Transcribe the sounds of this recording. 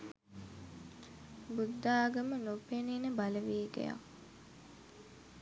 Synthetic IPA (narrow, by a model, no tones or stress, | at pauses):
bud̪ːaːɡəmənopeniːnəbaləʋiːɡḛja̰